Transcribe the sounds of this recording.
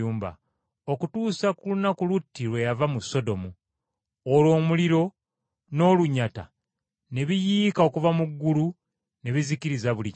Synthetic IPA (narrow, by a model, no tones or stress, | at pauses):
uːmba̰ | o̞kutuːsakulunakulutːiɾwe̞javamuso̞do̞mu | olo̞ːmuliɾo̞ | no̞ːluɲːata̰ | ne̞βijiːkao̞kuvamuɡːulu | ne̞βiziciɾizaβuli